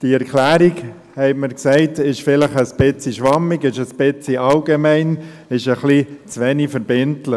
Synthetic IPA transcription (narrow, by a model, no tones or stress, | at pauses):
d̥iɛɾkʰlæːɾik | hɛɪməɾksɛɪtɪʃfɪləχəspɪt͡siʃʋɑmːikɪʃəspɪt͡siʔɑlɡemæɪn | ɪʃəχlit͡sʋɛnifɛɾbɪntlə